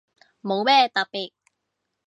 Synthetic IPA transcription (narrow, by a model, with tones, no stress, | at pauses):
mo˨˧wmɛː˥˩t̪ɐ˨pːiː˨˩k̚